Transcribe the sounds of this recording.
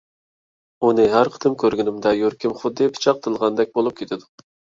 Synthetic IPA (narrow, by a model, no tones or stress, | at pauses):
unɨɦæɾqʰə̥t̪ʰɨmkʲøɾɡʲɪnɪmd̪ɛjøɾkʲimχʊd̪ːɨpʰɨ̥t͡ʃʰɑq̚t̪ʰəlˠʁɑnd̪ɛk̚ʲbolˠup̚kʲʰet̪ʰɪd̪ʊ